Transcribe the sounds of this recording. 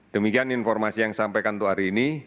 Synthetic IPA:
d̪̥əmikianinfɔrmasijaŋsampekant̪uaɾiːni

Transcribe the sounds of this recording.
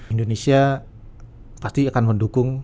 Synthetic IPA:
indonesia | past̪iakanməndukʊŋ

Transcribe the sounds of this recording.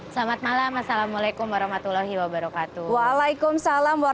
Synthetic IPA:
slamat̪̚malamasalamalajkʊmwaɾɔhmat̪ulaɦiwabaɾɔkat̪uwaːlajkʊmsalamwa

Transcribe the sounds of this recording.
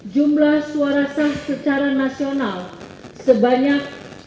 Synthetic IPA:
d͡ʒumlahsuaɾasahsət͡ʃaɾanasional | səbaɲak̚

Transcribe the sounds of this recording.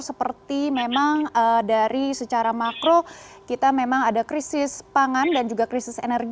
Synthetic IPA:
səpərt̪imemaŋədaɾisət͡ʃaɾamakɾokit̪amemaŋadakɾisɪspaŋandand͡ʒuɡakɾisɪsenərɡ

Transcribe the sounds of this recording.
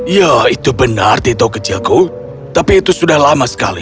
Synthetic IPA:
jait̪ubənart̪it̪okət͡ʃilku | t̪apiːt̪usudahlamasə̥ka̰lḭ

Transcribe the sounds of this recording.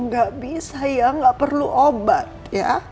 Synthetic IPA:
ŋɡaʔbisajaŋɡaʔpərluʔobat̪̚ | ja̰

